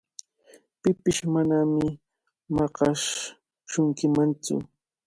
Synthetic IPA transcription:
pɪpɪʃmanamɪ | mɑqɑʃ | ʃʊŋkɪmant͡sʊ̰

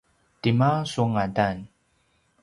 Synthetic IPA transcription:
timasuŋadan

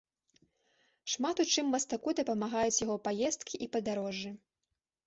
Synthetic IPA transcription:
ʂmat̪ut͡ʂɨmːɐst̪akud̪ɐpɐmaɣajut͡sʲjaɣɔpajɛst̪kʲiʔipɐd̪aɾɔʐːɨ

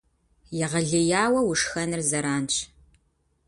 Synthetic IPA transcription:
jɪʁɐɮɨjaːwɐwʊʂxɐnɨrzɐɾaːnt͡ʃʰʼ

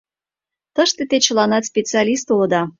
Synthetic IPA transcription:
t̪əʃt̪et̪et͡ɕəlɑnɑt̪spʲet͡sɨɑlʲist̪uləd̪ɑ

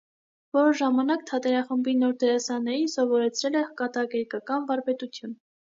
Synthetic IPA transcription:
vɔɾəʒɑmɑnɑkt̪ʰɑt̪ɛɾɑχəmbinɔɾd̪ɛɾɑsɑnɛɾinsɔvɔɾɛt͡sʰɾɛlɛkɑt̪ɑɡɛɾkɑkɑnvɑɾvɛt̪ut̪ʰjun

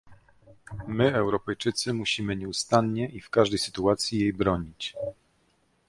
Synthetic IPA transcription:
mɘɛwɾɔpɛjt͡ʂɘt̪sɘmuɕimɘɲɛust̪anɲɛʔifkaʐd̪ɛjsɘ̥t̪uat̪sʲjijejbɾɔɲit͡ɕ

